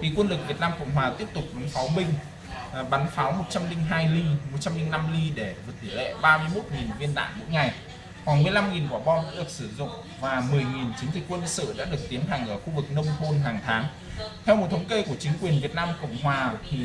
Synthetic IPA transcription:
tʰi˨˩kwə˧nlɨ˨˩k̚vi˨˩ət̚naː˧mkə̰˧˨wŋ͡mɦwaː˨˩t̪i˦˥əp̚t̪ʊ˨˩k͡p̚ɓa˨˦nfaː˨˦wɓï˧ŋ̟ | ɓa˨˦nfaː˨˦wmo˨˩t̚t͡ɕa˧mlï˧ŋ̟ɦaː˧jli˧mo˨˩t̚t͡ɕa˧mli˧ŋna˧mli˧ɗe˧˩vɨ˨˩t̪̚ʰːɨ˧˩lḛ˧˨ɓaː˧mɨ˧əjmo˦˥t̚ŋi˨˩nvi˧ənɗa̰ː˧˨nmṵ˧˥jŋa˨˩j | hwaː˧˩nmɨ˧˩əjla˧mŋi˨˩nkwaː˧˩ɓɔ˧ɗa̰ː˧˥ɗɨ˨˩ək̚sɨ˧˩zʊ̰˧˨ŋ͡m | vaː˨˩mɨ˨˩əjŋi˨˩nt͡ɕɨ˨˦ŋzï˨˩k̟̚kwə˧nlsɨ̰˧˨ɗa̰ː˧˥ɗɨ˨˩ək̚t̪i˨˦ənta˨˩jŋ̟ʔəː˧˩xu˧vɨ˨˩k̚nə˧wŋ͡mho˧nɦaː˨˩ŋt̪ʰaː˨˦ŋ | t̪ʰɛ˧wmo˨˩t̚t̪ʰə˨˦wŋ͡mke˧ku˧˩ət͡ɕï˨˦ŋ̟kwi˨˩ənvi˨˩ət̚naː˧mko̰˧˨wŋ͡mɦwaː˨˩t̪ʰi˨˩

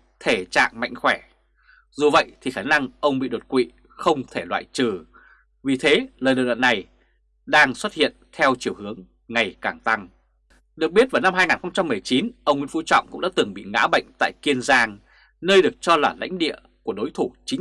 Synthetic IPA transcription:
t̪ʰe˧˩t͡ɕa̰ː˧˨ŋma̰˧˨jŋ̟xwɛ˧˩ | zu˨˩və̰˧˨jt̪ʰi˨˩xaː˧˩na˧ŋʔə˧wŋ͡mɓḭ˧˨ɗo˨˩t̚kwḭ˧˨ | xə˧wŋ͡mt̪ʰe˧˩lwa̰ː˧˨jt͡ɕɨ˨˩ | vi˨˩t̪ʰe˨˦ləː˨˩jɗə̰ː˨wa̰ː˧˨nːa˨˩j | ɗaː˧ŋswə˦˥t̚hḭ˧˨ənt̪ʰɛ˧wt͡ɕi˨˩əwhɨ˨˦əŋ | ŋa˨˩jkaː˨˩ŋt̪a˧ŋ | ɗɨ˨˩ək̚ɓi˦˥ət̚va˨˩wna˧mhaː˧jŋaː˨˩nxə˧wŋ͡mt͡ɕa˧mːɨ˨˩əjt͡ɕi˨˦nʔə˧wŋwḭ˧˥n˦fu˧˦t͡ɕɔ̰˧˨wŋ͡mkʊ̰˧˥ŋ͡mɗa̰ː˧˥t̪ɨ˨˩ŋɓḭ˧˨ŋa̰ː˧˥ɓə̰˧˨jŋ̟t̪a̰ː˧˨jki˧ənzaː˧ŋ | nəː˧jɗɨ˨˩ək̚t͡ɕɔ˧laː˨˩la̰˧˥jŋ̟ɗḭ˧˨ə | ku˧˩əɗo˨˦jt̪ʰu˧˩t͡ɕï˨˦

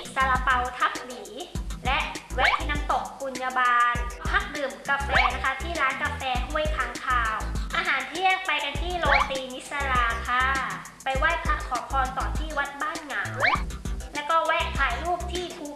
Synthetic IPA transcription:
sa˧la˧pa˧wt̪ʰa˦˥p̚liː˩˦lɛ˦˥ʔ̪̚ʰiː˧˥˩na˦˥mt̪o˨˩k̚ku˧nja˧baː˧npʰa˦˥k̚dɯː˨˩mka˧fɛː˧na˦˥kʰa˦˥t̪ʰiː˥˩ɾaː˦˥nka˧fɛː˧hu˥˩əjt̪ʰaː˦˥ŋk̪ʰaː˧wʔaː˧ɦaː˩˦nt̪ʰi˥˩ək̚pa˧jka˧nt̪ʰiː˥˩loː˧ŋt̪iː˧ni˦˥t̪̚sa˧ɾaː˧kʰa˧˥˩ | pa˧jwa˦˥˩t̪̚pʰa˦˥k̚kʰɔː˩˦pʰɔː˧nt̪ɔː˨˩nt̪ʰiː˥˩wa˦˥t̪̚baː˥˩nŋa˩˦wlɛ˦˥wkɔː˥˩wɛː˥˩k̚t̪ʰaː˨˩˦jluː˥˩k̚t̪ʰiː˥˩pʰu˧˩

